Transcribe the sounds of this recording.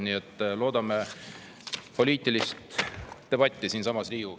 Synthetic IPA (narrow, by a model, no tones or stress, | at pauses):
niːet̪ːˑlo̞ːd̪ɑme | po̞lʲiːt̪ːˑilist̪ːe̞b̥ɑt̪ʲːˑisiːnsɑmɑsliːu